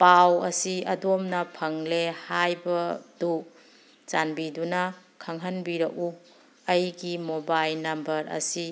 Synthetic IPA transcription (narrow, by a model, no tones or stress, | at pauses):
pawɐsiɐdomnɐpʰɐŋlehajbɐdu | t͡ʃanbidunɐ | kʰɐŋɦɐnbiɾɐku | ɐjɡimobajlnɐmbɐɾɐ̰si